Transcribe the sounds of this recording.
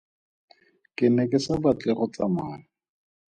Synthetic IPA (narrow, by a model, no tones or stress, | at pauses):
kʼɪnɛkʼɪsabat͡ɬɛχɔt͡samaːlɔ